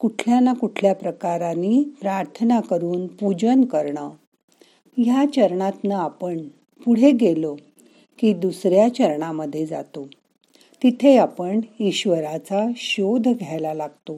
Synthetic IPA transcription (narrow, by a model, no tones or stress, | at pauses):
kuʈʰljanakuʈʰljapɾəkaɾaniːpɾaɾt̪ʰənakəɾuːnpud͡ʑənkəɾɳə | jat͡ɕəɾɳat̪nəapəɳ | puɽ̤eɡelo | kiːd̪usɾjat͡ɕəɾɳaməd̪ʱːjed͡za̰t̪o | t̪it̪ʰeapəɳiɕʋəɾat͡saɕod̪ʱɡʱjajlalaɡt̪o